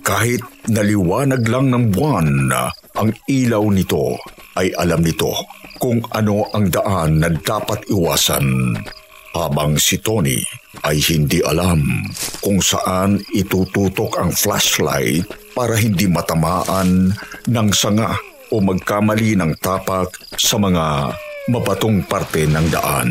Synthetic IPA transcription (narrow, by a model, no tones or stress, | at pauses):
kaːhɪt̪̚nɐlɪwaːnɐɡlaŋnɐŋbwan | ʔɐŋʔiːlɐwnɪt̪o̞̰ | ʔɐjʔɐlamnɪt̪o̞̰kʊŋɐno̞ʔɐŋd̪ɐʔanːɐd̪aːpɐt̪ɪwaːsɐ̰n | haːbɐŋsit̪onḭʔɐjhɪnd̪iʔɐ̰lamkʊŋsɐ̰ʔanɪt̪ut̪uːt̪o̞kɐŋfla̰ʃla̰jt̪̚paːɾɐɦɪnd̪imɐt̪ɐmaːʔɐnːɐŋsɐŋa | ʔomɐɡ̚kamɐlinɐŋt̪aːpak̚sɐmɐŋamɐbɐt̪oŋpaɾt̪ɛnɐŋd̪ɐ̰ʔa̰n